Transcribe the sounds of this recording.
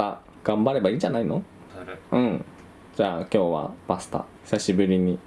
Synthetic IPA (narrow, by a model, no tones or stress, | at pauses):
a̰ | ɡ̥ãmbaɾe̞baiːd͡ʑanaino̞ | ɯ̟̃ɴ | d͡ʑaːkʲo̞ːβa̰pasɨ̥t̪a̰çi̥saɕibɯ̟ɾʲiɲ̟i